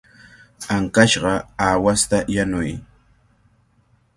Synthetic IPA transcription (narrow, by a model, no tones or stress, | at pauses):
aŋkaʃɢɑawast̪ajanʊj